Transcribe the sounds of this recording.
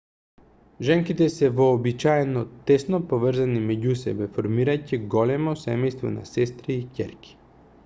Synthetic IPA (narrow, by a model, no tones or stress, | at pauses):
ʒɛŋkit̪ɛsɛvɔːbit͡ʃaɛnɔt̪ɛsnɔpovr̩zanimɛɟusɛ̰bɛfoɾmiɾaciɡɔlɛmɔsɛmɛjst̪vɔ̰na̰sɛst̪ɾiːcʲɛɾkʲi̥